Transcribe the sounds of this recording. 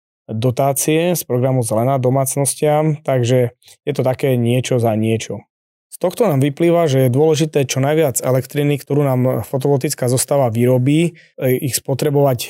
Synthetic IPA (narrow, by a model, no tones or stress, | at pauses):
d̪ɔt̪aːt͡siɛspɾɔɡɾamuzɛlɛnaːd̪ɔmaːt͡snɔscɪamt̪aɡʒɛ | jɛt̪ɔt̪akɛːɲɪɛt͡ʃɔzaɲɪɛt͡ʃɔ | st̪ɔxt̪ɔnaːmʋipliːʋaʒɛjɛd̪ʊɔlɛʒit̪ɛːt͡ʃɔnajʋɪad͡zɛ̰lɛkt̪ɾinikt̪ɔɾuːnaːmfɔt̪̬ɔlɔt̪it͡skaːzɔst̪aːʋaʋiɾɔbiː | ixspɔt̪ɾɛbɔʋac